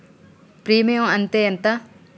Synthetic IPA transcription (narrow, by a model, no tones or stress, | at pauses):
pɾiːmɐjõɐnt̪ejɐnt̪ɐ